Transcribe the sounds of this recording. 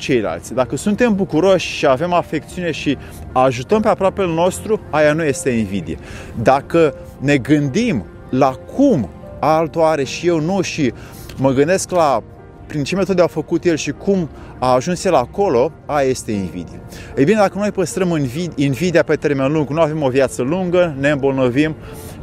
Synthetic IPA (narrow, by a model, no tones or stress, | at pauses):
t͡ʃe̞jla̰lt̪sʲd̪akəsunt̪e̞mbukuɾo̞ʃʲʃiave̞mafe̞k̚t̪siune̞ʃi | aʒut̪əmpeapɾoape̞lno̞st̪ɾuajanuje̞st̪e̞invid̪ijḛd̪akə | ne̞ɡɨnd̪im | lakʰum | alt̪oaɾe̞ʃijewnuʃi | məɡɨnd̪e̞skla | pɾint͡ʃemet̪otd̪eafəkut̪je̞lʃikum | aːʒunsje̞lako̞lo̞ | ajaje̞st̪e̞invḭd̪ijḛejbine̞d̪akəno̞jpəst̪ɾəmɨnvid̪invid̪iape̞t̪e̞rme̞nluŋɡnuave̞mo̞vjat̪səluŋɡəne̞ɨmbo̞lnəvim